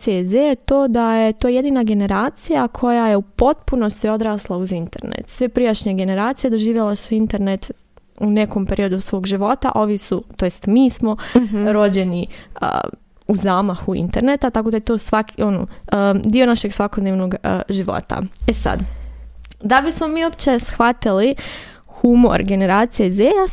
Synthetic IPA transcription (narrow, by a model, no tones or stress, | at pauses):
sezejet̪o̞ːd̪aje̞t̪ojje̞d̪iːnaɡe̞ne̞ɾaːt̪sijakʰo̞jaje̞upo̞t̪puno̞st̪io̞d̪ɾaːslˠauzint̪e̞ɾnḛt̪sʋepɾijaʃɲeɡe̞ne̞ɾaːt̪sije̞d̪o̞ʒiːʋjelasuint̪e̞ɾne̞t̪ | une̞ko̞mpe̞ɾio̞d̪usʋo̞ːɡʒiʋo̞t̪a̰ʔo̞ʋisut̪o̞jest̪miːsmo̞ɾo̞d͡ʑe̞niə̰ | uzaːmaxuḭnt̪e̞ɾnet̪at̪ako̞d̪ajet̪osʋakʰio̞no̰d̪iːo̞naʃe̞ɡsʋakod̪neːʋno̞ɡ̰ʒiʋo̞̰t̪a̰esa̰d̪ | d̪abismo̞miːopt͡ɕe̞sxʋat̪ili | xumo̞̰ɾɡe̞ne̞ɾaːt̪sijezeja